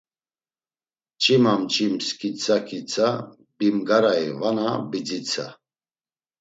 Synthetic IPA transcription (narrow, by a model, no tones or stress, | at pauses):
t͡ʃʼimamt͡ʃʼimskʰʼit͡sʰakʰit͡sʰa | bimɡaɾaivanabid͡zit͡sʰa̰